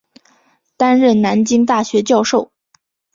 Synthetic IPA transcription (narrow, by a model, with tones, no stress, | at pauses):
t̪a˥nɻə˥˩nna˧˥nt͡ɕi˥ŋt̪a˥˩ɕɥɛ˧˥t͡ɕjɑ˥˧ʊʂo˥˩ʊ